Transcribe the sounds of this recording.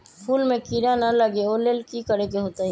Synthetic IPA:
pʰuːlmẽkiɾanaləɡeoːleːlkikəɾekeɦoːt̪aɦɛ̃

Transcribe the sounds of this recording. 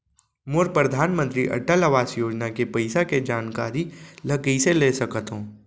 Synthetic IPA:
mʊɾpɾɐd̪ʱaːnmə̃nt̪ɾiʔɐ̰ʈəlɐʋaːsjoːd͡ʒnakepɐɪsaked͡ʒaːnkaːɾilɐkiseleːsɐkət̪ɦõː

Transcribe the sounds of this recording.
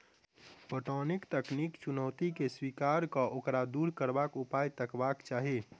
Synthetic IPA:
poʈɔnikt̪əknikt͡ʃunəwt̪ikeswikaɾkɔʔokɾad̪uɾkəɾbakupajt̪əkbakt͡ʃaːɦi

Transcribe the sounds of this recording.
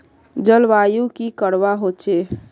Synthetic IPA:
d͡ʒəlʋajukikəɾbaɦot͡ʃʰe

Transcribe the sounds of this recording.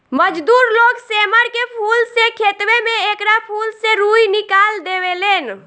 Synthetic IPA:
məd͡ʒd̪uɾloɡseməɾkepʰulsekʰet̪bemeekɾapʰulseɾujnikald̪ewelen

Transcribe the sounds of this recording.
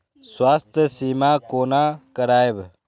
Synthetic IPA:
swaːst̪ʰjəsiːmaːkoːnaːkəɾaːeb

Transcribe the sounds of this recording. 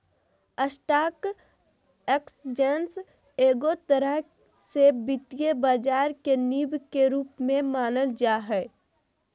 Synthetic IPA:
əsʈaːk | eksd͡ʒens | eːɡot̪əɾəɦ | sebɪt̪ijebaːd͡ʒaːɾkeniːbkeɾuːpmẽmaːnəld͡ʒaːɦɛ

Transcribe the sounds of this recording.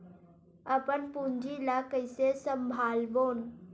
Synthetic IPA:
əpənpund͡ʒilakəɪsesəmbʱaːlboːn

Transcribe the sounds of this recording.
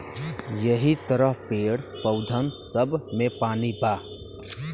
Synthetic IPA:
jəɦit̪əɾəɦpeːɽpəʊd̪ʱənsəbmẽpaːnibaː

